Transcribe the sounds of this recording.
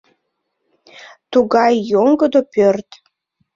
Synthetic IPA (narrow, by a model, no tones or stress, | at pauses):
t̪uɡɑjːoŋɡəd̪opørt̪